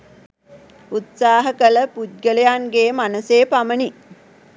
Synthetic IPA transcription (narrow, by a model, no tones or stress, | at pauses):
ut̪saːɦəkələput̪̚ɡələjaŋɡeːmanəseːpaməni